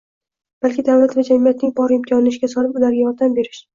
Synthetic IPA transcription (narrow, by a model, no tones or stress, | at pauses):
b̥alkʲɪd̪avlat̪vad͡ʒamijat̪̚nɪŋbʰɒɾɪmkʲʰɒnɪɪʃɡʲasɒlɪpʊlaɾɡʲajɒɾd̪ambe̞ɾɪʃ